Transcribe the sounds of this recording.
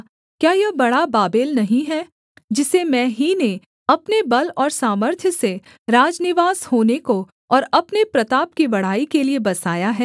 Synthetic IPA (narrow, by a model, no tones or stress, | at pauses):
kjaːjɐbɐɽabaːbeːlnɐɦĩɦɛː | d͡ʒɪsemɛ̃ːɦine | ɐpnebɐlɔːɾsaːməɾt̪ʰjəse | ɾaːd͡ʒnɪʋaːshoːneko | ɔːɾɐpnepɾɐt̪aːp̚kibɐɽ̤aːikeliebɐsaːjaɦɛː